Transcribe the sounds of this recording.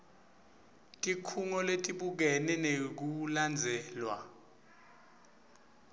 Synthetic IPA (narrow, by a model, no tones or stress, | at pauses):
tʼikʰuŋɔletʼiɓuk̬ɛnɛnek̬uland͡zʱɛːlwa̰